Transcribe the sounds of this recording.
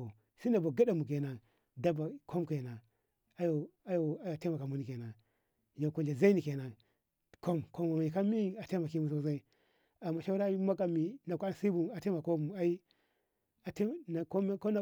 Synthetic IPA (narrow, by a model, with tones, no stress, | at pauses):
o˨ | si˦na˨ba˨ɡa˦ɗa˨mu˨k̬e˨na˨ | da˦ba˨kʰo˦mke˨na˨ | a˦jo˨a˦jo˨a˦jte˦ma˨ka˨mu˨ni˨ke˨na˨ | ja˨ko˨nd͡ʒa˨za˦i˦ni˨ke˨na˨ | ko˦mko˦ma˨m˨i˨ka˦mi˦a˨te˦ma˨ki˦mu˨s̬o˦za˦i˦ | a˨mːa˨ʃa˦ɾa˦ma˦ka˨mi˨na˨kʷa˦n˨si˦bu˦a˨te˦ma˨ko˦bu˨a˦i˦ | a˨tna˨ko˦ko˦na˨